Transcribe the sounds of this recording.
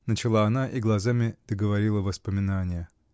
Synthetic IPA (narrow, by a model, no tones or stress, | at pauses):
nət͡ɕɪlˠaːnaʔiɡlˠɐzamʲɪd̪̥əɡəvɐɾʲilˠəvəspəmʲɪnanʲɪjə